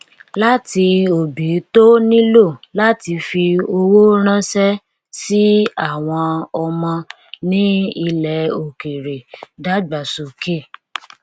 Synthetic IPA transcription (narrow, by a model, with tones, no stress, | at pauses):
la˦ti˧o˨bi˨˦to˦nĩ˦lo˦˨la˦ti˧fi˧o˧wo˦ɾ̃ã˦sɛ˦ | si˦a˦˨w̃ɔ̃˧ɔ˧mɔ̃˧ | nĩ˦i˧lɛ˨˦o˨ke˨ɾe˨da˦ɡ͡ba˨so˨ke˦˨